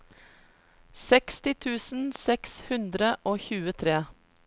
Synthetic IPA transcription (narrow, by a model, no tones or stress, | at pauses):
sɛkst̪ɪt̪ʰʉːsn̩sɛkshʉnd̪ɾəʔoːçʉːət̪ʰɾeː